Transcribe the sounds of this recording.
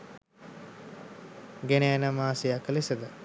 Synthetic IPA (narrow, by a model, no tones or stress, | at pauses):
ɡeneænəmaːsijaklesəd̪ə